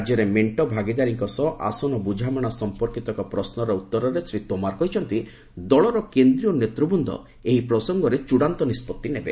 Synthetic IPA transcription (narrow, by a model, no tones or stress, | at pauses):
d͡ʒjɔɾemeɳʈɔbʱaɡid̪aɾiŋkɔsɔʔa̰sɔnɔbud͡ʒʱamɔɽ̃asɔmpɔɾkit̪ɔkɔpɾɔsnɔɾɔut̪ːɔɾɔɾesɾit̪omaɾkɔɦit͡ʃʰɔnt̪i | d̪ɔɭɔɾɔkend̪ɾijɔnet̪ɾubund̪ʱɔ̰ | eɦipɾɔsɔŋɡɔɾet͡ʃuɽant̪ɔnispɔt̪ːinebḛ